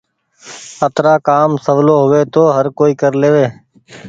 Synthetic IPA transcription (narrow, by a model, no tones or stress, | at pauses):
ət̪ɾaːkaːmsəʋloːɦʊʋeːt̪oːɦəɾkoːiːkəɾleːʋeː